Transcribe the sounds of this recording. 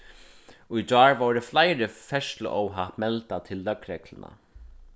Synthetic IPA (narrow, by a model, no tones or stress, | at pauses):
ujd͡ʒɑːɹʋoɾɪflajɾɪfɛʂt̪lʊ̰ʔɔwɦat̪mɛlt̪at̪ʰɪlːœkɾɛklɪna̰